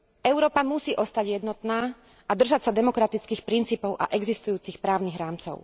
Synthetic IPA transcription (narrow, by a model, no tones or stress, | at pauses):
ɛʊɾɔːpamusiːʔɔst̪aɟjɛd̪nɔt̪naː | ad̪r̩ʒacsad̪ɛmɔkɾat̪it͡skiːxpɾint͡siːpɔʊʔa̰ʔɛɡzist̪ujuːt͡sixpɾaːʊniɣɾaːmt͡sɔ̰ʊ